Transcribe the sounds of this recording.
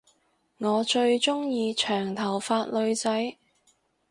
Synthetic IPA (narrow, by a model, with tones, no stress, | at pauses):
ŋɔː˨˧t͡ʃɵ˧ɥt͡ʃʊ˥ŋjiː˧t͡ʃʰœː˨˩ŋt̪ʰɐ˨˩wfaː˧t̚lɵ˨˧ɥt͡sɐ˨˥j